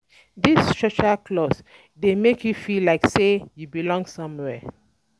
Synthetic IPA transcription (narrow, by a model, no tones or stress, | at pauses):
distɹɔt͡ʃakʰlɔs | demekʰjufilaɪksejubilɔ̃ŋsʌ̃mwɛ